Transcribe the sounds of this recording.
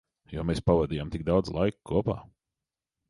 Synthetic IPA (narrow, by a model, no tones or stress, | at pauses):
jɔmeːspavad̪ijamt̪iɡ̚d̪awd̪zlˠajkkʰuɔpa̰ː